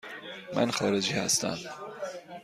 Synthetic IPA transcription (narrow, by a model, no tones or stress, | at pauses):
mæ̰nxɒːɾed͡ʒiːhæ̰st̪æ̰m